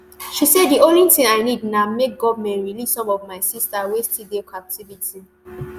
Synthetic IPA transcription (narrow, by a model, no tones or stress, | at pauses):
ʃisɛddiõnlitĩŋaɪnidnamek̚ɡɔvamɛ̃ntɹilisɔ̃mɔvmaɪsistawestidekʰap̚tʰiviti